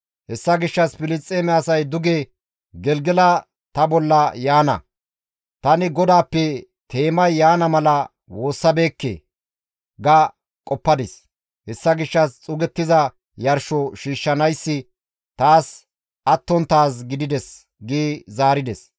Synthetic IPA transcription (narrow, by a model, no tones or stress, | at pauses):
hɛsːɐɡɪʃːɐspɪlɪt͡sʼːeːmɛɐsɐjd̪ʊɡe | ɡɛlɡɛlɐ | t̪ɐbɔlːɐjaːnɐ̰ | t̪ɐnɪɡɔd̪aːpːɛ | t̪e̞ːmɐjːaːnɐmɐlɐ | wo̞ːsːɐbe̞ːkːḛː | ɡɐ | kʼɔpːɐd̪ɪs | hɛsːɐɡɪʃːɐst͡sʼʊɡɛt̪ːɪzɐ | jɐɾʃɔʃiːʃːɐnɐjsːɪ | t̪aːs | ʔɐt̪ːɔnt̪aːs̬ɡɪd̪ɪd̪ɛs | ɡiːzaːɾɪd̪ɛs